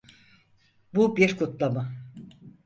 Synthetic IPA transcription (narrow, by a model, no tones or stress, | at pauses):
bubiɾkʰut̪lˠamɯ